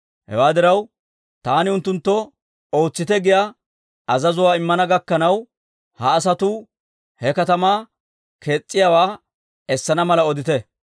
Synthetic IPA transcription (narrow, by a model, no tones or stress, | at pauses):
hɛ̰waːd̪ɪɾɐw | t̪aːnɪʊnt̪ːʊnt̪ːɔ | o̞ːt͡sːɪt̪ɛɡɪja | ɐzɐzʊwaːɪmːɐnɐɡɐkːɐnɐw | hɐːs̬ɐt̪ʊ | hɛkɐt̪ɐmaː | kʰe̞ːt͡sʼːɪjaːwaː | ɛsːɐnɐmɐlɐɔd̪ɪt̪ɛ